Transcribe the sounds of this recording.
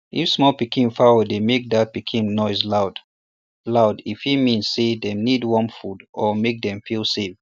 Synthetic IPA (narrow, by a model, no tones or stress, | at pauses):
ʔifsmɔlpikʰĩnfaədemek̚dat̚pikʰĩnnɔɪzlaʊd̥ | laʊdifhimĩnsedɛ̃mnidwɔ̃mfudʔɔmek̚dɛ̃mfilˠsef